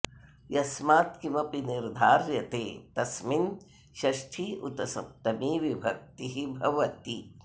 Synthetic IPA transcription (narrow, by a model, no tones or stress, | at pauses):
jɐsmaːt̪kimɐpiniɾd̪ʱaːɾjɐt̪eːt̪ɐsmin | ʃɐʃʈʰiʔut̪ɐsɐ̰p̚t̪ɐmiːʋibʱɐk̚t̪iɦibʱɐʋɐt̪i